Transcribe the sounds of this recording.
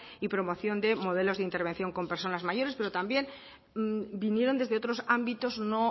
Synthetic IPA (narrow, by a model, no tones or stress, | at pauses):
ipɾo̞mo̞θjo̞nd̪e̞mo̞ð̞e̞lo̞zðeint̪e̞ɾβ̞e̞nθjo̞ŋko̞mpe̞ɾso̞nazmaʝo̞ɾespe̞ɾo̞t̪ambje̞n | binje̞ɾo̞nd̪e̞zðeo̞t̪ɾo̞sambit̪o̞zno̞